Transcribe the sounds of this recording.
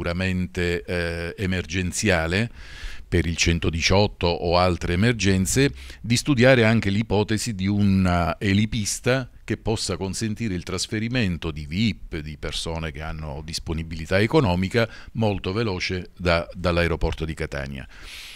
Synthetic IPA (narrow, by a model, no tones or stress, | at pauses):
uɾament̪eː | merd͡ʒent̪sjaːlepeɾilt͡ʃɛnt̪od̪it͡ʃɔt̪ːoʔːalt̪ɾeːmerd͡ʒɛnt̪sed̪ist̪ud̪jaːɾeaŋk̟elipɔːt̪ezid̪iunaelipist̪ak̟epːɔsːakonsent̪iːɾeilt̪ɾasfeɾiment̪od̪ivipːd̪ipersoːnek̟eanːo̰d̪isponibilit̪aekonɔːmika | molt̪ovelɔːt͡ʃed̪ad̪alːaeɾopɔrt̪od̪ikat̪a̰ːnja̰